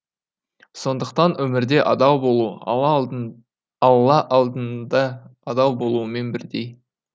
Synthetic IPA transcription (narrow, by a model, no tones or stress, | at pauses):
so̞nd̪əqt̪ɑnwʔɵmɪɾd̪e̞ʔɑd̪ɑwbouə | wlˠɑʔɑlˠd̪ənd̪ɑɑd̪ɑwbo̞lˠuəme̞nbɪɾd̪e̞j